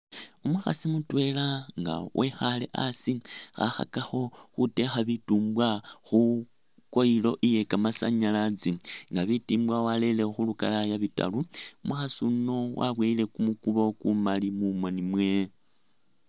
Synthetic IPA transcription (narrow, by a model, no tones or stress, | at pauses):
umuxa̰simutwe̞laŋɡa̰wʔexale̞̰ʔa̰sixa̰xa̰kaxo̞xute̞xaβituːmbwaxu | ko̞ilo̞ʔije̞kamasa̰ɲalat͡siŋɡaβitiːmbwawalelexuluka̰lajaβita̰luumuxasuno̞wʔa̰βweile̞kumukuβokumalimumonimwe